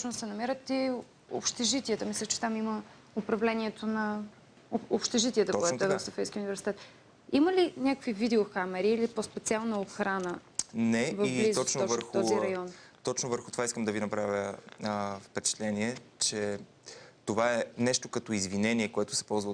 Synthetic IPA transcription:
sʃnsɛnɐmɛɾət̪i | o̰pʃt̪ɛʒit̪iɛt̪əmislʲɛt͡ʃɛ̥t̪amimə | opɾɐvlɛniɛt̪ʰonɐ | opʃt̪ɛʒit̪ʲiɛt̪əkoɛtt̪ɛvɐfsofɛjskʲiunivɛɾsi̥t̪ɛt̪ | iməlinʲakəkvivid̪ɛoxamɛɾiːlipospɛt̪sialˠnəoxɾanə | nɛvɐvibizɔt͡ʃnovəɾxt̪ɔziɾɐjɔnt̪ɔt͡ʃnovəɾxʊt̪ovaiskəmd̪ɐvinɐpɾavjə | fpɛt͡ʃɛ̥t̪lɛniɛt͡ʃɛ | t̪ovaɛnɛʃt̪okɐt̪ɔizvinɛniɛkoɛt̪ʊ̥sɛ̥pɔlˠzvə

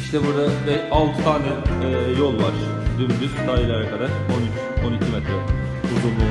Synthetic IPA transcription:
iʃt̪ʰɛbuɾd̪abɛalˠt̪ʰɯ̥t̪ʰaːnɛɛjo̞lˠvaɾ̥ | d̪ymd̪ycʲsaːjilʲˠaɾakʰad̪aɾ̥o̞nyt͡ʃ | o̞nicʰimɛt̪ɾɛ | uzumˠu

